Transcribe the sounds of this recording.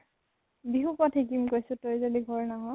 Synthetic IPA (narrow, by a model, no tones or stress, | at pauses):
biɦupatʰek̬imkojsʊ̃tojzaliɡʱɔɹnaɦɔ̃